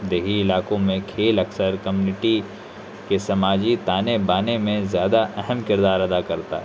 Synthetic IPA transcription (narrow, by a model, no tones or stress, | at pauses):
d̪eːɦiɪlaːkõmẽkʰeːlɐksəɾkɐmjuːnɪʈi | kesɐmaːd͡ʒit̪aːnebaːnemẽzjaːd̪aʔɛɦəmkɪɾd̪aːɾɐd̪akɐɾt̪a̰ɛ